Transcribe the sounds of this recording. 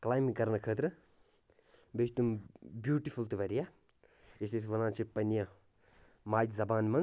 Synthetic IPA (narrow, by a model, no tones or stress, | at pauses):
klaːjmikɐɾnɐkʰəːt̪ɾɨ | best̪umbjuːʈifult̪iʋɐɾija | ist̪it̪ʰʋɐnãːt͡ʃʰipɐnijã | maːt̪ʲzɐbaːnmɐn